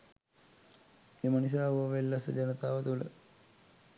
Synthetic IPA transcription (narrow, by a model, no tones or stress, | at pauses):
emənis̬aːuəʋelːəsəd͡ʒɐnət̪aːʋət̪ulə̰